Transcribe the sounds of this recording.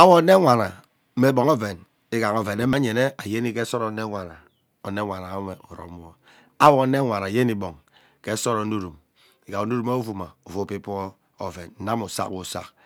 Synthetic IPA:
a˦wo˦˨˦ne˦ŋʷa˨na˨˦ | me˦bo˨ŋo˦ve˨n | i˦ɡa˨ŋo˨ve˨ne˦ma˦ɲe˨ne˦a˨je˦ni˦ke˦so˦ɾo˨˦ne˦ŋʷa˨na˨ | o˨ne˦ŋʷa˨na˨˦me˨u˨ɾo̰˨˦m˦o˦ | a˦wo˨˦ne˦ŋʷa˨na˨je˦ni˦bo˨ŋ | ke˦so˦ɾo˨˦nu˦ɾu˨m | i˨ɡa˨o˨nu˦ɾu˦mo˦vu˨ma˨u˨vu˦˨pi˦p | o˨ve˨n˦na˦mu˨sa̰˦kwu˨sa̰˦k

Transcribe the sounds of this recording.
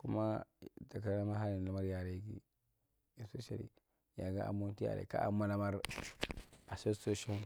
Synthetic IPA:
ku˦ma˦da˨ka˨˦a˦ma˦ɦa˦li˨la˦ma˦ɾja˨ɾe˦kḭ˦ | e˨spe˦ʃa̰˨lḭ˨ | ja˨ɡa˦ʔa̰˨mu˦n˦ti˦ja̰˨ɾḛ˨ka̰˦ʔa˨ma˦la˦ma˦ɾ | a˨so˦so˦ʃo˦n

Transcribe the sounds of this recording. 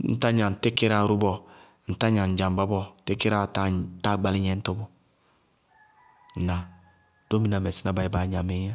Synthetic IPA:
n̩̰˦ta˦ɲa˨n̩˨te˦ke˦ɾa˨ɾu˦bɔ˨ | n̩˨ta˦ɲa˨n̩˨d͡ʒa˨m˨ba˦bɔ˦te˦ke˦ɾa˨ta˦ta˦˨ɡ͡ba˦li˦ɲɛ˦n̩˦to˦bo˨ | na˨ | d̥o˦mi˦na˨me˨si˦na˦ba˨i˨˦ba˨˦ɲa˨me˦ja˦

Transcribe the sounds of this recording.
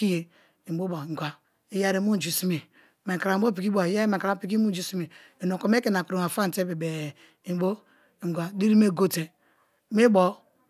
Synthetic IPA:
i˦je˨ | i˨bo˦ba˨ŋ˨ɡwa˨ | i˦ja˦ɾe˦mu˦n˨d͡ʒi˨si˦mi˨ | me˨ka˨ɾa˨˦bo˦pi˨ki˦ba˨ja˦ɾe˦me˨ka˨ɾa˦pi˨˦k̬i˦mu˦d͡ʒi˦si˦mi˨ | e˨no˨ko˨me˦ke˨na˨kɾo˨n˨a˨fa˦n̩˨te˦be˨be˨ | i˨bo˦˨ | ŋ˨ɡʷa˨di˦ɾi˦me˦˨ɡo˦te˨ | me˦bo˨

